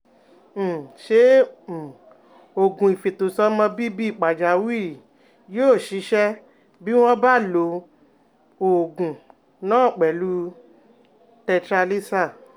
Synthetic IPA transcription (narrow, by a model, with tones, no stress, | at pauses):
ʃe˨˦˨ | o˨ɡũ˨i˨fe˨to˨sɔ˧˦mɔ̃˧bi˦bi˦i˦˨k͡pa˨d͡ʒa˨˦wi˦˨ | joː˦˨ʃi˨˦ʃɛ˦ | bi˦w̃ɔ̃˦ba˦˨lo˨˧˦ | o˨ɡũ˨ | nãː˦˨k͡pɛ˨lu˦ | tɛ˧tɾa˧li˦sa˦˨